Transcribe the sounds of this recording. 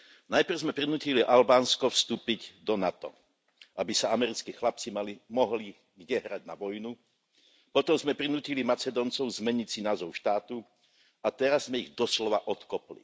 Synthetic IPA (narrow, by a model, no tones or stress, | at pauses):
najpr̩zmɛpɾinuːciliʔalbaːnskɔfst̪uːpiɟd̪ɔnat̪ɔ̰ | ʔabisaamɛɾit͡skiːxlap̚t͡simalimɔɦli | ɡɟɛɦɾaɟnaʋɔjnu | pɔt̪ɔmzmɛpɾinuːcilimat͡sɛd̪ɔːnt͡sɔʊzmɛɲit͡sinaːzɔʊʃt̪aːt̪u | at̪ɛɾazːmɛiɣd̪ɔslɔʋaʔɔt̪kɔplḭ